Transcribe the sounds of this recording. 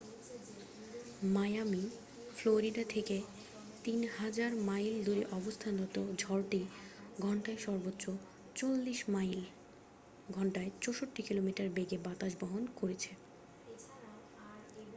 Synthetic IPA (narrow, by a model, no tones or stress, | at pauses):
majami | floɾiɖat̪ʰeke | t̪inhad͡ʑaɾmajld̪uɾiʔɔbost̪ʰanɔt̪od͡ʑʱɔɾʈiɡʱɔɳʈaeʃɔɾbotːʃo | t͡ɕolːiʃmajl | ɡʱɔɳʈaet͡ɕoʃoʈːikilomiʈaɾbeɡebat̪aʃboɦonkoɾet͡ɕʰe